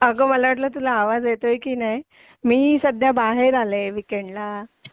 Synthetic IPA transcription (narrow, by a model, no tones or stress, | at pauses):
əɡəməlaʋəʈ̬ləːt̪ulaːʋad͡zjet̪ojkiːnaj | miːsəd̪ʱjabaɦeɾaleʋikeɳɖla